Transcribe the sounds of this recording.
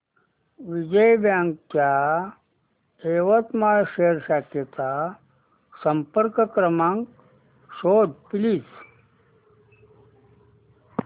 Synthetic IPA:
ʋid͡ʒəjbjãːŋkːja | eːʋɐt̪maːjʃeːɾsaket̪a | sɐmpəɾkkɾɐmãŋk | ʃoːd̪pilis

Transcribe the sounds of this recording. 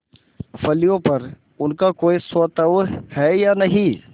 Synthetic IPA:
fɐlijõpɐɾ | ʊnkakoːisot̪əʋhɛːjaːnɐɦĩː

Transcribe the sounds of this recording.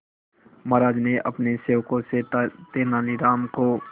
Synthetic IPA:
məɾaːd͡ʒneʔɐpneseːʋkõset̪eːnaːliɾaːmko

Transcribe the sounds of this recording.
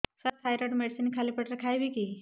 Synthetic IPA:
səɾkʰajɾəʈmeɽsinikʰalipəʈɾəkʰajbiki

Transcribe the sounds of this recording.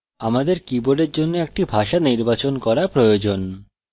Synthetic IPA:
amad̪eɾkiboɖeɾd͡ʑonːoek̚ʈibʱaʃaniɾbat͡ɕonkɔɾapɾojod͡ʑon

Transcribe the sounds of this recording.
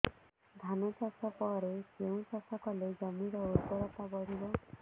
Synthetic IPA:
d̪ʱanɔt͡ʃɔsɔpɔɾekeũt͡ʃɔsʰɔkɔled͡ʒɔmiɾɔut̪pɔɾɔt̪aɡɔɾibɔ

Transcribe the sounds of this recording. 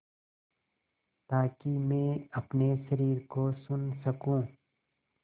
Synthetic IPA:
t̪aːkimẽːɐpneʃɐɾiːɾkosʊnsɐkũː

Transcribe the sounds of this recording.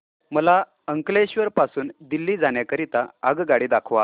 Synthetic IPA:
məla | əŋkleɕʋəɾpasuːnd̪ilːiːd͡zaɳjakəɾit̪aəɡɡaɽiːd̪akʰʋa

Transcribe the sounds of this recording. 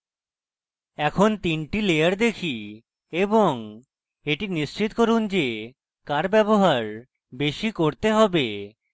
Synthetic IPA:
ɛkʰont̪inʈilejaɾd̪ekʰi | eboŋ | eʈinist͡ɕit̪koɾund͡ʑe | kaɾbɛboɦaɾ | beʃikoɾt̪eɦɔbe

